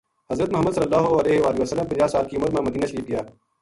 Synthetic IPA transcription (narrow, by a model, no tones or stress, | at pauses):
hɐzɾət̪mʊɦəmːəd̪səlːəlːaːɦoɐleːɦeʋaːlɪʋəsəlːəmpɐ̃d͡ʒaːsaːlkiumːət̪mẽmɐd̪iːnaːʃəɾiːp̚ɡijaː